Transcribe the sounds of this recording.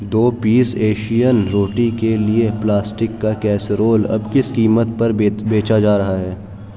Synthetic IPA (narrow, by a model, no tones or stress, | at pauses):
d̪oːpiːseːʃijənɾoːʈikelieplaːsʈɪkːakɛːsɾoːlɐ̰bkɪskiːmət̪pɐɾbeːt͡ʃad͡ʒaːɾɐɦaɦɛː